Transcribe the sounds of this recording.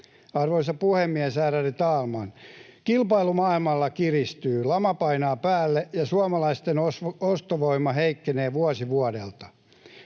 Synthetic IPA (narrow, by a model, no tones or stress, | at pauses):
ɑrʋoisɑpuhemːiɛsæːrærit̪ɑːlmɑnkilpɑilumɑːilmɑlːɑkirist̪yːlɑmɑpɑinɑːpæːlːejɑsuɑmɑlɑist̪enosost̪oʋoimːɑɦeikːeneːʋuɑsiʋuɑdḛlt̪ɑ̥